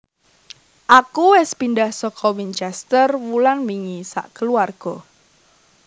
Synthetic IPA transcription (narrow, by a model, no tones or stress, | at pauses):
ʔakuwɛspinɖahsɔkʰɔwint͡ʃɛst̪ərwulanmiŋisa̰ʔkəluarɡ̥ɔ